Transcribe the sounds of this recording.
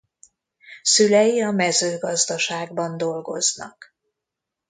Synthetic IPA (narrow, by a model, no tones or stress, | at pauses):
sylɛjiɒmɛzøːɡɒzd̪ɒʃaːɡbɒnd̪o̞lɡo̞̰znɒ̰k